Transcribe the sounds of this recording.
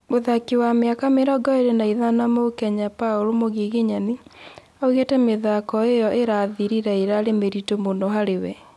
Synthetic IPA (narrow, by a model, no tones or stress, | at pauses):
moðakiwameakameɾɔɡɔeɾenaiðanamokɛɲapaoɾomoɣiɣeɲani | auɣetɛmeðakɔejɔʔeɾaðiɾiɾaeɾaɾemeɾitomondɔɦaɾewɛ